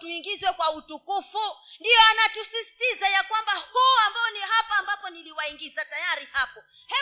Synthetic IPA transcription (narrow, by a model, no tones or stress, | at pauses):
tuiŋɡizwɛkwautukufundijɔanatusisi̥tizajakwambahuambaɔniɦapaːmbapɔniliwaiŋɡizatajaɾihapɔ | hɛ